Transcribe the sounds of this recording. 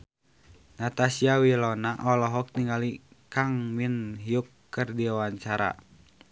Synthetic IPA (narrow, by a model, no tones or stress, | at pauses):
nat̪asiawilɔnaʔɔlɔɦɔk̚niŋɡalikaŋminɦiukːɨrdiwawaɲt͡ʃaɾa̰